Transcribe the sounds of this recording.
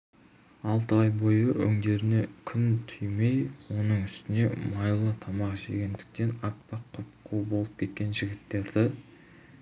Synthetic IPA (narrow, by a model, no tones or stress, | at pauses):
ɑlˠt̪əɑjbojəʔɵ̰ŋd̪e̞ɾɪne̞kʲʰʏnt̪ʰʏjme̞jwo̞nəɴʏst̪ɪne̞mɑjlˠət̪ʰɑmɑqʒḛɡʲend̪ɪ̥k̚t̪e̞nɑpːɑqʰːʊpqʰubo̞lˠəp̚kʲʰe̞t̪̚kʲe̞nʒɪɡʲɪt̪ːe̞ɾd̪ɪ